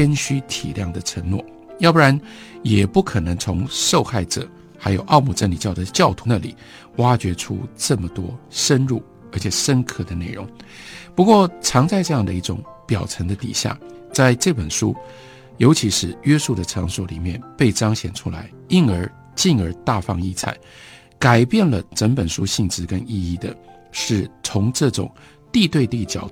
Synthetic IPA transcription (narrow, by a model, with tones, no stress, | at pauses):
ɛ˥nɕy˥t̪ʰḭ˨˩ljɑ˥˩ŋd̪ə˩ʈ͡ʂʰə˧˥ŋnwɔ̰˥˩ | jɑ˥˧pɻa˧˥njɛ˨˩pu˥˩kʰɤ˨˩nə˧˥ŋt͡sʰʊ˧˥ŋʂo˥˧ʊxa˥˩ɪʈ͡ʂɤ̰˨˩˦ | xa˧˥ɪjo˨˩ʊʔɑ˥˧ʊmu˨˥˩ʈ͡ʂə˥nli˨˩t͡ɕjɑ˥˩ʊd̪ə˩t͡ɕjɑ˥˩ʊt̪ʰu˧˥na˥˩lḭ˨˩˦ | wa˥t͡ɕɥɛ˧˥ʈ͡ʂʰṵ˥ʈ͡ʂɤ˥˩mə˩t̪wɔ˥ʂə˥nɻu˥˩ | ə˧˥t͡ɕʰɛ˨˩ʂə˥nkʰɤ˥˩d̪ə˩ne˥˩ɪɻʊ̰˧˥ŋpu˧˥kwɔ˥˩ʈ͡ʂʰɑ˧˥ŋt͡sa˥˧ɪʈ͡ʂɤ˥˧jɑ˥˩ŋd̪ə˩˧i˥˩ʈ͡ʂʊ˨˩˦ŋpjɑ˨˩ʊʈ͡ʂʰə˧˥ŋd̪ə˧t̪ḭ˨˩ɕja̰˥˩t͡sa˥˧ɪʈ͡ʂɤ˥˩pə˨˩nʂu˥ | jo˧˥ʊt͡ɕʰi˧˥ʂɻ̩˥˩ɥɛ˥su˥˩d̪ə˩ʈ͡ʂʰɑ˧˥ŋsɔ˧˩lḭ˨˩mjɛ˥˧˨npe˥˩ɪʈ͡ʂɑ˥ŋɕjɛ˨˩nʈ͡ʂʰṵ˥la˧˥ɪ | i˥˧nə˞˧˥ | t͡ɕi˥˩nə˞˧˥t̪a˥˧fɑ̰˥˧ŋi˥˩t͡sʰa̰˨˩˦ɪ | ka˨˩ɪpjɛ˥˩nlə˩ʈ͡ʂə˧˥npə˨˩nʂu˥ɕi˥˩ŋʈ͡ʂɻ̩˥kə˥ni˥˧i˥˩d̪ə˩ | ʂɻ̩˥˩t͡sʰʊ˧˥ŋʈ͡ʂɤ˥˩ʈ͡ʂʊ̰˨˩˦ŋ | t̪i˥˧t̪we˥˧ɪt̪i˥˩t͡ɕjɑ̰˨˩ʊ